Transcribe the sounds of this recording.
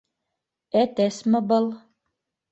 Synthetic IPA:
æt̪æsmɘ̆bɤ̆lˠ

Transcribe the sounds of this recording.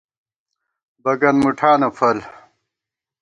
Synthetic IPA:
bɐɡɐnmuʈʰaːnɐfʰɐl

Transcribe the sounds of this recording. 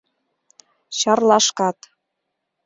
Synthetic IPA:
ɕɑrlɑʃkɑt̪

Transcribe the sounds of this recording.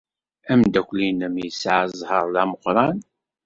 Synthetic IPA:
æmd̪ækʷlinəmjəsʕəzˤhəɾˤlæməqɾˤɑn

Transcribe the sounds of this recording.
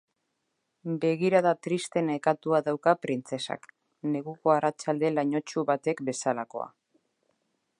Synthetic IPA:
be̞ɣ̞iɾað̞at̪ɾist̪e̞nekat̪uaðawkapɾint͡se̞sa̰k | ne̞ɣuko̞arat͡ʃald̪e̞laɲo̞t͡ʃuβat̪e̞kbe̞salako̞̰a̰

